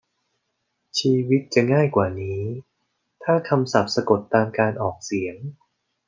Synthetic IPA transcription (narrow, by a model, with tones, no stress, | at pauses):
t͡ɕʰiː˧wi˦˥t̪̚t͡ɕa˨˩ŋaː˥˩jkwaː˨˩niː˦˥ | t̪ʰaː˥˩kʰa˧msa˨˩p̚sa˧ko˨˩t̪ːaː˧mkaː˧nʔɔː˨˩k̚si˩˦əŋ